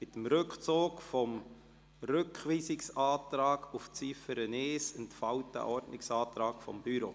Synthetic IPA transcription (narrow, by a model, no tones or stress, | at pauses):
mɪt̪əmɾʏkχt͡soːkfɔm | rʏkχʋiːsɪksɑːtɾɑːɡuft͡sifəɾəneːsəntfɑwtdə̰ʔɔɾtnɪksɑːt̪ɾɑːkfɔ̰mb̥yɾo̰ː